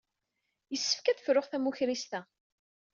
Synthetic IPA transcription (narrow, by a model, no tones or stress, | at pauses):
jəsːə̥fkæd̪fɾʊχθæmuçɾist̪æ